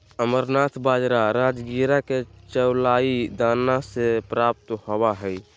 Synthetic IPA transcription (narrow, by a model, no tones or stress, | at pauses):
əməɾnat̪ʰbaːd͡ʒɾaɾaːd͡ʒɡiɾaket͡ʃəwlaːid̪aːnːasepɾap̚t̪hobaɦɛj